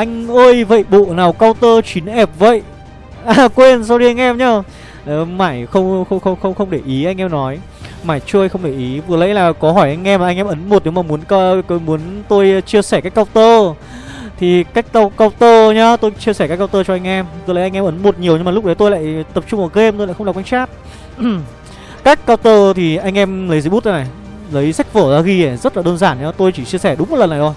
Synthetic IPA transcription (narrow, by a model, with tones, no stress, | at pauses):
ʔa˧jŋ̟ʔəː˧jvə̰˧˨jɓo̰˧˨naː˨˩wkaː˧wt̪əː˧t͡ɕwi˨˦nʔɛ˨˩p̚və̰˧˨jʔ | ʔaː˨˩kwe˧nsaː˧wɗi˧ʔa˧jŋ̟ʔɛ˧mɲaː˧˩˨ | maː˧˩jxə˧wŋ͡mxə˧wŋ͡mxə˧wŋ͡mxə˧wŋ͡mxə˧wŋ͡mɗe˧˩ʔi˨˦ʔa˧jŋ̟ʔɛ˧mnɔ˨˦j | maː˧˩jt͡ɕu˧əjxə˧wŋ͡mɗe˧˩ʔi˨˦vɨ˨˩ələ̰˧˥jlaː˨˩kɔ˨˦ɦɔ˧˩jʔa˧jŋ̟ʔɛ˧maː˨˩a˧ŋʔɛ˧mʔə˨˦nmo˨˩t̚ne˨˦maː˨˩mu˨˦ənkɔ˧mu˨˦ənt̪o˧jt͡ɕi˧əsɛ˧˩ka˦˥k̚ːa˧wt̪əː˧ | t̪ʰi˨˩ka˦˥jk̟ka˧wka˧wt̪əː˧ɲa˨˦t̪o˧jt͡ɕi˧əsɛ˧˩a˦˥k̚ːwt̪əː˧t͡ɕɔ˧ʔa˧jŋ̟ʔɛ˧m˩t̪o˧jlə˨˦ʔa˧ŋ̟ʔɛ˧mʔə˨˦nmo˨˩t̚ɲi˨˩əwɲɨ˧ŋmaː˨l̚ɗə˨˦jt̪o˧jla̰ː˧˨jt̪ə˨˩p̚t͡ɕʊ˧ŋ͡mʔəː˨˩ɣe˧mt̪o˧ja̰ː˧˨xə˧waː˨˩wa˧jŋ̟t͡ɕaː˦˥t̚ | kaː˦˥k̚ːaː˧wt̪əː˧t̪ʰi˨˩ʔa˧jŋ̟ʔɛ˧mlə˨˦zə˧jɓu˦˥t̚zə˨˧na˨˩ | lə˨˦jsa˦˥jk̚vəː˧˩zaː˧ɣi˧ə˨˩zə˦˥t̚laː˨˩ɗəː˧nzaː˧˩nɲa˨˦t̪o˧jt͡ɕi˧˩t͡ɕi˧əsɛ˧˩ɗʊ˨˦ŋ͡mo˨˩lə˨˩nːaː˨˩t̪o˧j